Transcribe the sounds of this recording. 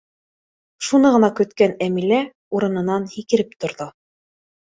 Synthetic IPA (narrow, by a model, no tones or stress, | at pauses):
ʃunɤʁɤ̆nɑkɵ̆t̪kænæmilæ | uɾɤ̆nɤ̆nɑnhikɘ̆ɾɘp̚t̪ŏɾðo